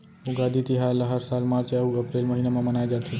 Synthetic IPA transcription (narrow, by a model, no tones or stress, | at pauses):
uɡad̪ʱit̪iɦaeləɦəɾsalmaɾt͡ʃeəuəpɾelməɦinemamənaed͡ʒat̪ʰi